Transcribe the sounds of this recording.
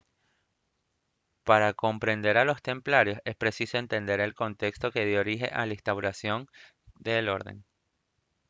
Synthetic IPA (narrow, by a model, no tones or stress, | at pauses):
paɾako̞mpɾe̞nd̪e̞ɾalo̞st̪e̞mplaɾjo̞se̞spɾe̞siso̞e̞nt̪e̞nd̪e̞ɾe̞lko̞nt̪e̞kst̪o̞ke̞ð̞jooɾiɦe̞̰ʔalaest̪awɾasjo̞n | d̪e̞lo̞̰ɾðe̞̰ŋ